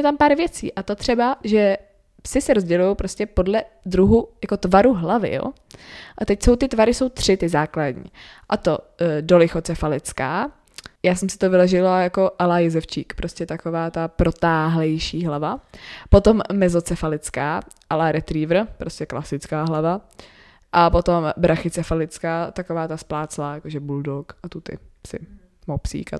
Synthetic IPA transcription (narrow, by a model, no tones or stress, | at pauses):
ɛt̪ampaːɾvjɛt͡siːʔat̪ot̪r̝̥ɛbaʒɛ | psɪsɛɾozɟɛlujowpɾoscɛpo̞dlɛ | d̪ɾuɦujako̞t̪vaɾuɦlavɪ̰jo̰ | ʔat̪ɛcso̞wt̪ɪt̪vaɾɪso̞wt̪r̝̥ɪt̪ɪzaːkladɲḭːʔat̪o̞dolɪxo̞t͡sɛfalɪt͡skaː | jaːsɛmsɪ̥t̪ovɪlɛʒɪlajako̞ʔalajɛzɛft͡ʃiːkpɾoscɛt̪ako̞vaːt̪apɾo̞t̪aːɦlɛjʃiːɦlavapo̞t̪omːɛzo̞t͡sɛfalɪt͡skaːʔalaɾɛt̪ɾiːvr̩pɾoscʲɛklasɪt͡skaːɦlava | ʔapo̞t̪o̞mbɾaxɪt͡sɛfalɪt͡skaːt̪akovaːt̪asplaːt͡slaːjakoʒɛbuldokat̪ut̪ɪ̰sɪ̰ | mopsḭːka̰